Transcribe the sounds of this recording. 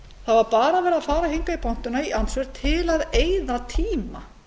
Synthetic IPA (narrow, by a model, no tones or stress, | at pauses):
θavaɾpaːɾavɛːɾaðfaːɾahiŋkaipʰown̥t̪ʏnaiʔansvɛɾ̥t̪ʰɪlaðeːjðat̪ʰiːma